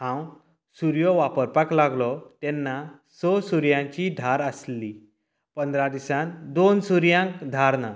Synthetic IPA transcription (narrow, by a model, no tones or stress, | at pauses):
ɦãw | suɾjɔʋapəɾpaklaɡlɔt̪ɛnːa | sɔsuɾjãɲt͡ɕid̪ʱaɾəsli | pənd̪ɾad̪isãnd̪onsuɾjãŋkd̪ʱaɾna